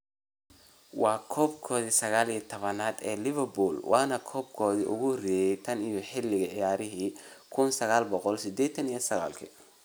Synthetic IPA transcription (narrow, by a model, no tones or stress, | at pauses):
wɑːkʰɔːbkʰɔːðisɐɣaːlijɐt̪ʰɔβɐnaːd̪ɛːlɪβɐrbuːlwʔɑːnɐkʰɔːbkʰɔːðiʔʊ̰ɣʊrɪjɛjt̪ʰɐnijɞħɪlɪɣɐʕɪjaːɾɪɦiːkʰʊnsɐɣaːlbɔqɔlsɪd̪ɛːt̪ʰɐnijɔsɐɣa̰ːlkʰɐ